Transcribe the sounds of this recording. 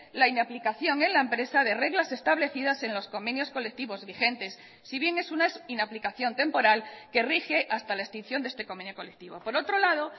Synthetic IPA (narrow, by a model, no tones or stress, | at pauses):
lainaplikaθjo̞ŋe̞nlaempɾe̞sað̞e̞re̞ɣlase̞st̪aβ̞le̞θiðase̞nlo̞sko̞mẽ̞njo̞sko̞lek̚t̪iβo̞zβixe̞nt̪e̞sː | iβ̞je̞ŋe̞sunainaplikaθjo̞nt̪e̞mpo̞ɾalke̞rixe̞ʔast̪alaest̪in̟θjo̞nd̪est̪e̞kome̞njoko̞lek̚t̪iβo̞po̞ɾo̞t̪ɾo̞lað̞o̞